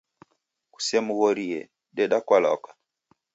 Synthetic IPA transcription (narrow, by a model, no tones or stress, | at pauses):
ku̥sɛmuɣɔɾiɛ | ɗɛɗakwalɔ̰kḁ